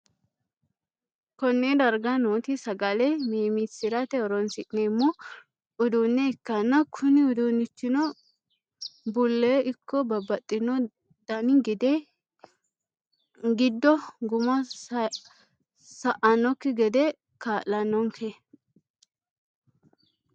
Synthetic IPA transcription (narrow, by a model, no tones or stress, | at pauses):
kɔnːɛd̪ɐɾɡɐnoːt̪ɪsɐɡɐlɛmeːmisɪɾɐt̪ɛɔɾɔnsɪʔnemːɔ | ʊd̪uːnːɛɪkːɐnːɐkʰʊnɪʊd̪unːɪt͡ʃːɪnɔ | bʊlːɛɪkːɔbɐbɐt̪ʼːɪnɔ | d̪̥ɐnɪɡɪd̪ɛ | ɡɪd̪ːɔɡʊmɐ | sɐʔɐnɔkːɪɡɛd̪ɛ | kaːʔɐnːɔŋkʰe